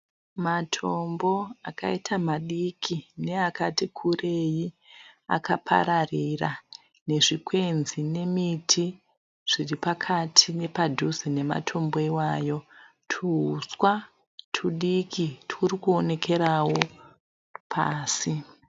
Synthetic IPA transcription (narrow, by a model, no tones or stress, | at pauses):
matʰo̞mbo̞aka̰itʰamaɗikʰine̞akatikʰure̞ji | a̰kʰa̰pʰa̰ɾarira | ne̞ʐikwe̞nzine̞mitʰi | ʐ̥iripakʰatʰine̞padʱuzine̞ma̰tʰo̞mboiwaːjo̞ | tʰuuswa | tʰuɗikʰitʰuɾikuone̞kʰe̞ɾawo | pʰa̰ːsi